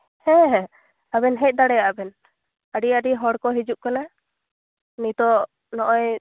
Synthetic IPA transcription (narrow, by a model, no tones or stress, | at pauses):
hɛ̃ɦɛ̃ | abɛnɦɛc̚ˀd̪aɽɛjaʔabɛn | aɖiaɖiɦɔɽkɔɦid͡ʒuʔkana | nit̪ɔ | nɔʔɔj